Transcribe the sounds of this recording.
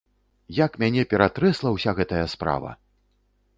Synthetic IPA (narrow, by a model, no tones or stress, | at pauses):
jakmʲanʲɛpʲɛɾat̪ɾɛslˠɐwsʲaɣɛt̪ɐjɐspɾa̰vɐ̰